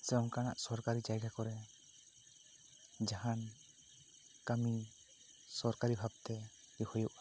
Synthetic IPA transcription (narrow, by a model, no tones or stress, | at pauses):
sɛŋkana̰ʔsɔɾkaɾid͡ʒajɡʱakɔɾɛ | d͡ʒaɦan | kami | sɔɾkaɾibʱab̚t̪ɛ | ɾihɔjuʔa